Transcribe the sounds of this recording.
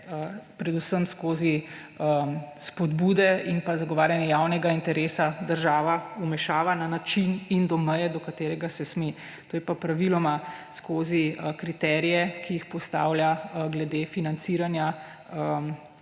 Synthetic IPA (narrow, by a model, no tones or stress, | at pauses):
əpɾɛd̪usəmskoːzi | əspɔd̪bud̪ɛinpazaɡɔʋaːɾjanjɛjawnɛɡaint̪ɛɾeːsad̪əɾʒaːʋaumɛʃaːʋananat͡ʃinind̪ɔməjɛd̪ɔkat̪eːɾɛɡasɛsme | t̪oːjɛpapɾaʋilɔmaskʰoːzikɾit̪ɛɾijɛkijixpɔst̪a̰ːwljaɡlɛd̪efinant̪siːɾanja | əm